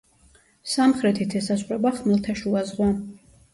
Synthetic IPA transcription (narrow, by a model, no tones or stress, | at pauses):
samχɾɛt̪ʰit̪ʰɛsasχɾɛbaχmɛlˠt̪ʰaʃuazʁwa